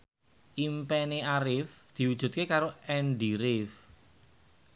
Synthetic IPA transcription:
ʔimpɛneaɾɪfd̪̥i̤wud̥ʒ̥ṳt̪̚kekaɾoɛnɖiɾɪf

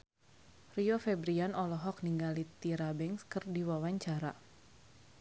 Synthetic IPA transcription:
riɔfɛbɾianɔlɔɦɔk̚niŋɡalit̪iɾabɛŋskɨrdiwawaɲt͡ʃaɾa

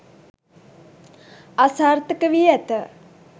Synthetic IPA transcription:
asaːrt̪əkəʋiæt̪ə

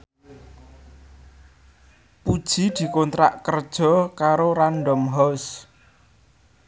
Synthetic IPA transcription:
pud̥ʒ̥i̤d̪̥i̤kont̪ɾa̰ʔkərd̥ʒ̥ɔ̤kaɾoɾanɖɔmɦɔs

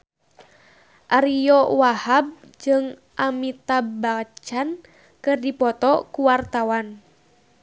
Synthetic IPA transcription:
ʔaɾijɔwahab̚ | d͡ʒɨŋ | ʔamit̪abat͡ʃan | kɨrdipɔt̪ɔkuwart̪awan

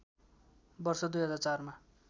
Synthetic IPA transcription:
bʌrsʌd̪ujɦʌd͡zart͡sarma

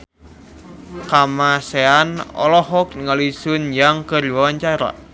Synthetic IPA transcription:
kamaseanɔ̰lɔɦɔk̚ŋalisunjaŋkərwawaɲt͡ʃaɾa̰

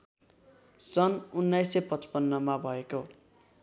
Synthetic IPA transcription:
sʌnunːajsepʌt͡sʌ̥pʌnːʌmabʱʌeko

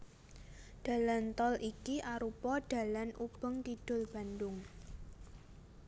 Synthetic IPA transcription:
d̥a̤lant̪ɔlikiʔaɾupɔd̥a̤lanʔub̥ə̤ŋk̪id̥ʊ̤lb̥a̤ndʊŋ

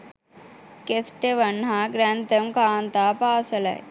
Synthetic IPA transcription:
kesʈeʋɐnɦaɡɾant̪ɐmkaːnt̪aːpaːsɐlɐ̰j

